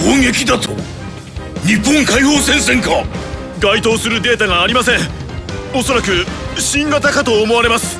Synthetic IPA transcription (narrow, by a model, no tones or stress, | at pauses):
hõŋɡe̞kʲid̪at̪o̰ | ɲ̟ipːõŋkaihoːsẽ̞ɰ̃sẽ̞ŋka | ɡait̪o̞ːsɨɾɯ̟d̪e̞ːt̪aɡaːɾʲimasẽ̞ŋ | o̞so̞ɾakɯ̟ɕĩŋɡat̪akat̪o̞ːmo̞βaɾe̞masɨ̥